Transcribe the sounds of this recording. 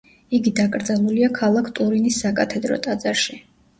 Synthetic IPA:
iɡid̪akʼɾd̪zalˠuliakʰalˠakʰt̪ʼuɾinisːakʼat̪ʰɛd̪ɾɔ̰t̪ʼad̪zaɾʃi

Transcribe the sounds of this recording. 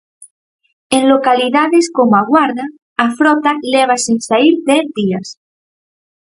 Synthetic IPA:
enlokaliðaðeskomoaɣwaɾðaː | fɾɔt̪aleβ̞asinsaiɾd̪ɛθðias

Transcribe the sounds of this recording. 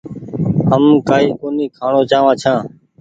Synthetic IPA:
ɦəmkaːiːkoːniːkʰaːɳoːt͡ʃaːʋãːt͡ʃʰãː

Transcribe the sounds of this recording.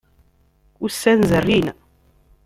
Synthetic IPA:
ʊsːænzərːin

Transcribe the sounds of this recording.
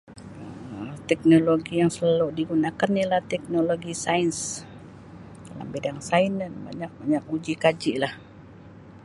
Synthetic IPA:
ət̪ɛk̚noloɡijaŋsəlaludiɡunakanilaht̪ɛk̚noloɡisains | dala̰mbidaŋsainənba̰ɲak̚baɲak̚ud͡ʒikad͡ʒiʔlah

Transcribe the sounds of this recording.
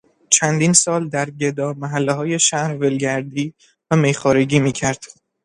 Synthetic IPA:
t͡ʃʰænd̪iːnsɒːld̪æɾɟe̞d̪ɒːmæɦælːeɦɒːje̞ʃæhɾvelɟæɾd̪iː | væmejxɒːɾeɡiːmiːcʰæɾd̪̥

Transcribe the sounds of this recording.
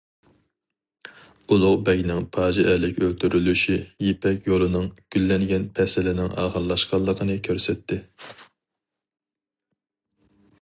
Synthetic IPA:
ulˠʊʁbɛɡʲnɪŋpʰɑːd͡ʒiʔɛlɪkʲølt̪ʰyɾylyʃijepʰɛkʲjolˠɨnɨŋɡ̥ʲylːɛŋɡʲɛnpʰɛsɪlɪnɪŋʔɑ̰ːʁəɾlˠɑʃqɑlˠːəqʰənɨkʲʰøɾsɛt̪ʰːɪ

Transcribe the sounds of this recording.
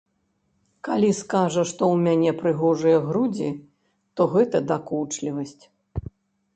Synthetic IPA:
kalʲiskaʐɐʂt̪ɔwmʲanʲɛpɾɨɣɔʐɨjɐɣɾud͡zʲi | t̪ɔɣɛt̪ɐd̪akut͡ʂlʲivɐsʲt͡sʲ

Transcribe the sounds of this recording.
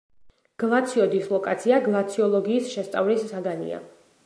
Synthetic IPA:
ɡ̥lˠat̪sʰiɔd̪islˠɔkʼat̪sʰiaɡlˠat̪sʰiɔlˠɔɡiːsʃɛst̪sʼavlisːaɡanḭa̰

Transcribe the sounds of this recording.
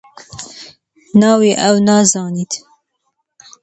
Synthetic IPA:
nɑːwiːʔɛwnɑːzɑːniːt̪

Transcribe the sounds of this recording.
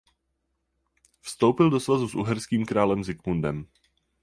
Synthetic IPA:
fst̪owpɪldo̞svazusʔṵɦɛɾskiːmkɾaːlɛmzɪkmundɛm

